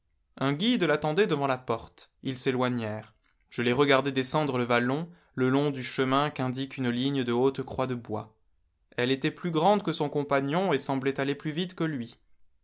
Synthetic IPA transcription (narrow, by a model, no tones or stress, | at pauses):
ɛ̃ɡʲid̪lat̪ɑ̃d̪ɛd̪əvɑ̃lapɔʁt̪ilselwaɲɛʁ | ʒ̥əlɛʁəɡaʁd̪ɛd̪esɑ̃d̪ʁələvalɔ̃ | ləlɔ̃d̪yʃəmɛ̃kɛ̃d̪ikynliɲd̪əot̪kχwad̪əbwa̰ | ɛlet̪ɛplyɡʁɑ̃d̪kəsɔ̃kɔ̃paɲjɔ̃esɑ̃blɛt̪aleplyvit̪kəlɥi